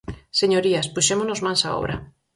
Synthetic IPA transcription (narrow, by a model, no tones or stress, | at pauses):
seɲoɾiaspuʃemonozmãnsa̰o̰βɾa̰